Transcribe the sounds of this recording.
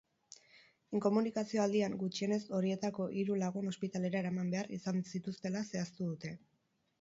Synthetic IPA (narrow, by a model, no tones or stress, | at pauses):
iŋko̞munikasio̞ald̪iaŋɡut͡ʃie̞ne̞so̞ɾie̞t̪ako̞ʔiɾulaɣ̞uno̞spit̪ale̞ɾaeɾamambe̞aɾḭsansit̪ust̪e̞lase̞ast̪uðut̪e̞